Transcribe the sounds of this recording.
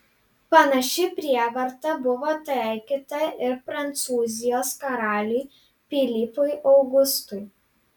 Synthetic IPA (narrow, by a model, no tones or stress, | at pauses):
pɐnɐʃʲɪpʲɾʲiɛʋɐɾt̪ɐbʊʋoːt̪ɛˑɪkʲɪt̪ɐɪɾpɾɐnt̪suːzʲɪjoːskɐɾɑːlʲʊɪ | pʲilʲipʊjʔɒʊɡʊst̪ʊj